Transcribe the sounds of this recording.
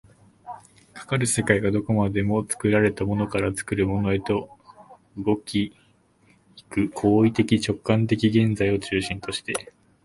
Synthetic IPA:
kʰḁkaɾɯ̟se̞kaiɡad̪o̞ko̞mad̪e̞mo̞t͡sɨ̥kɯ̟ɾaɾe̞t̪amo̞no̞kaɾat͡sɨ̥kɯ̟ɾɯ̟mo̞no̞e̞t̪o̞ | ɯ̟ɡo̞kʲi | kɯ̟kʰo̞ːit̪e̞kʲit͡ɕo̞kːãnt̪̬e̞kʲiɡẽ̞nd͡zaio̞t͡ɕɨːɕĩnt̪o̞ɕi̥t̪e̞

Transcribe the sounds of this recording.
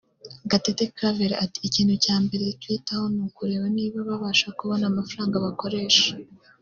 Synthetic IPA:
ɡatetekɾaveɾaati̥ːciːn̥hucaːmbe̞ɾetwiːtaho̞nukuɾe̞ːβaniːβaβaβaʃakuβo̞namafɾaːŋɡaβako̞ɾe̞ːʃḁ

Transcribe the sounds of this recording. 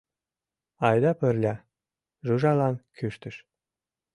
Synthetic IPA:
ɑjd̪ɑpə̆rlʲɑ | ʒuʒɑlɑnkʰyʃt̪ə̆ʃ

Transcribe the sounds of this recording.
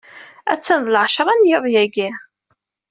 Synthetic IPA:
æ̰t͡sːənðˤəlʕʃɾˤɑnjəðˤjæɡæ

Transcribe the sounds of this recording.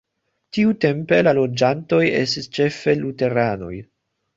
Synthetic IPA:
tiute̞mpe̞lalo̞d͡ʒanto̞je̞̰stist͡ʃe̞fe̞lute̞ɾano̞̰j

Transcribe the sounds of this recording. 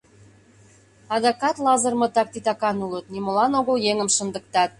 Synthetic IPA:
ɑd̪ɑkɑt̪lɑzə̆rmɤ̆t̪ɑk̚t̪it̪ɑkɑnulət̪̚nimolɑnoɣə̆ljeŋəmʃə̆nd̪ə̆k̚t̪ɑt̪̚

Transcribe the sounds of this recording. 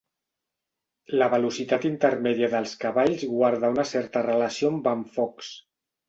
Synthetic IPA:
ləβəlusit̪at̪int̪əɾmɛðiəðəlˠskəβaʎzɣwaɾðaunəsɛɾt̪ərələsiombaɱfɔks

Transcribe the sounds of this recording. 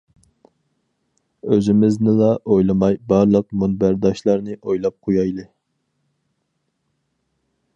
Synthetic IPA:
øzɪmɪznɪlˠɑʔojlˠɨmɑjbɑɾlˠəq̚munbæɾd̪ɑʃlˠɑɾnɨʔojlˠɑp̚qʰojɑjlˠɨ

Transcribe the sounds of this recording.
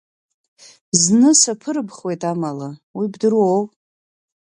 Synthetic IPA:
znɨsapʰɨɾbχwe̞jtʼamalawibdɨɾow

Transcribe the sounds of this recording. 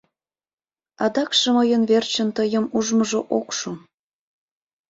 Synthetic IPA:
ɑd̪ɑkʃeməjənβert͡ɕənt̪əjəmuʒməʒoʔokʃom

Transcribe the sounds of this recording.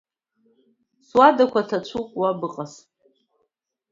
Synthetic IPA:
swadakʷʰatʰat͡ʃʷʰukʷʼwabɨqʼas

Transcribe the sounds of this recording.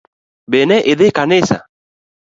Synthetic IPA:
benɛʔeðekanesa̰

